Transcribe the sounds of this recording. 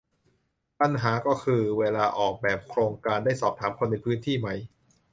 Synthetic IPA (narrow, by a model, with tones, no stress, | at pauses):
pa˧˩nɦaː˩˦kɔː˥˩kʰɯː˧weː˧laː˧ʔɔː˨˩k̚bɛː˨˩p̚kʰɾoː˧ŋkaː˧ndaː˥˩jsɔː˨˩p̚t̪ʰaː˩˦mkʰo˧nːa˧jpʰɯː˦˥nt̪ʰiː˥˩ma˦˥j